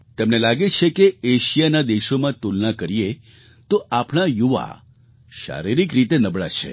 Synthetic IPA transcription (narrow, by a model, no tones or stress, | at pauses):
t̪ɛmnelaɡet͡ʃʰekeeʃijanad̪eʃomãt̪ulnakəɾije | t̪oapɳ̃ajuʋa̰ | ʃa̰ɾiɾikɾit̪enəbɭa̰t͡ʃʰḛ